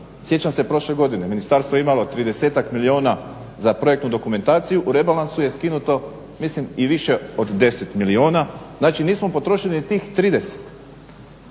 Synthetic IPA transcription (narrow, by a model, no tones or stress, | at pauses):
sje̞t͡ɕamsepɾo̞ʃle̞ɡo̞d̪ine̞minist̪aːɾst̪ʋo̞jimalot̪ɾid̪e̞seːt̪akmilio̞ːna | zapɾo̞je̞kt̪nud̪o̞kume̞nt̪aːt̪sijuʔuɾe̞balansuje̞skinut̪o̞ | mislimiʋiʃe̞od̪d̪e̞se̞t̪milioːnaznaːt͡ʃiniːsmo̞po̞t̪ɾo̞ʃilinit̪iːxt̪ɾiːd̪e̞se̥t̪